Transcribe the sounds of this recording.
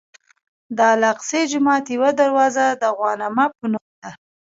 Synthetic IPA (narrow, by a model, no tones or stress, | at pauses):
d̪ɑlaqsed͡ʒʊmɑt̪jewad̪aɾwɑzad̪əɣwɑnamapənumt̪a